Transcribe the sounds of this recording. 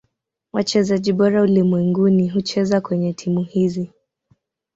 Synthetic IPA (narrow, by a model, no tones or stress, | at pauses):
wat͡ʃɛzaʄiɓɔɾaulimwɛŋɡuniɦut͡ʃɛzakwɛɲɛtʰimuhizi